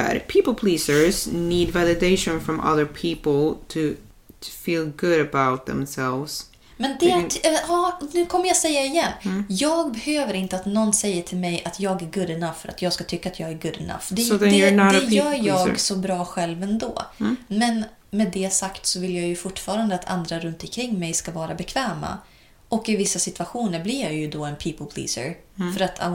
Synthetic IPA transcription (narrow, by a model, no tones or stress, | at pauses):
æ̰ɾpʰiːpəl̩ˠpʰliːsə˞zniːdvɛlˠɨdeɪʃə̃nfɹɔ̃mʔʌ̰ðə˞pʰipl̩ˠt̪ʰɨ | tʰə̥fiːlˠɡʊɾəbaʊt̪̚ðɛ̰̃msɛlˠvz̥ | mɛnd̪ɛɑːnʉ̟ːkʰɔmːəɾjasɛjːaɪjɛnːjɑːɡ̚bɛhøːvəɾɪnt̪əat̪nɔnːsɛjːəʈʰɪlmɛjat̪ʰjɑːɡæɾɡɵd̪ɪnaffœɾa̰t̪jɑːɡskat̪ʰʏkːaːt̪jɑːɡæɾɡɵd̪ɪ̰na̰fd̪ɛsoðə̃njə˞nɑɾɛjœːɾjɑːɡ̰sɔbɾɑːɧɛlvɛnd̪o̰ːmɛn | mɛːd̪ɛjasakt̪sɔvɪljɑːjɵfʊʈːfɑːɾand̪əat̪ʰa̰nd̪ɾaɾɵnt̪ɔkʰɾɪŋːmɛjskavɑːɾabɛkʰvɛːma̰ | ʔɔkːɪvɪsːasɪt̪v̥aɧuːnəɾblɪɾjajɵd̪ɔɛnpʰiːpəlpʰlḭːsə̰ɾ | fœɾat̪ʰa